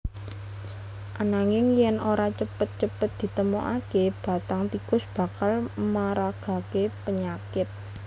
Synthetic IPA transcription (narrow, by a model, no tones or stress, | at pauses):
ʔanaŋɪŋjɛnʔoɾat͡ʃəpət̪̚t͡ʃəpət̪̚d̪̥i̤t̪əmoʔa̰keb̥a̤t̪aŋt̪ikʊsb̥a̤kalmaɾaɡ̥a̤kepəɲakɪt̪̚